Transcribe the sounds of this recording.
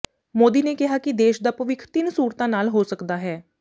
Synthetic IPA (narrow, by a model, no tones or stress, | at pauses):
moːd̪iːneːkɪɦaːkɪd̪eːʃd̪aːpəʋɪkʰt̪ɪnsuːɾt̪ãːnaːlɦoːsəkd̪aːɦɛː